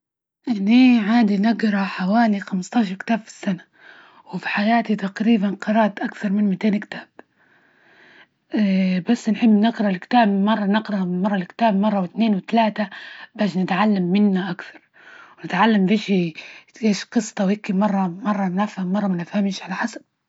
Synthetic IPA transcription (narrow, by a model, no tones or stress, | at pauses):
ʔɪnːiːʕaːd̪inɪɡɾˤɑħawaːlixamɪst̪ˤɑːʃ̬ɑɾˤkt̪aːbfi̥sːana | wɪfi̥ħajaːt̪it̪aqɾiːbanqɑɾˤɑːt̪ʔakθɑɾˤmɪnmɪt̪eːnkt̪aːb̥̚ | basːnħɪbːnɪɡɾˤɑlkɪ̥t̪aːbmɑrˤːɑnɪɡɾˤɑmɑrˤːɑlkt̪aːbmɑrˤːɑwɪt̪neːnwɪt̪alaːt̪abaːʃnɪt̪ʕalːamːɪnːaʔakθɑ̥ɾˤ | wnɪt̪ʕalːambeːʃiʔeːʃqɨsˤt̪ˤɑwɪkːimɑrˤːɑmɑrˤːɑnafhamːɑrˤːɑmanafhamːʃʕalaħasḁb̚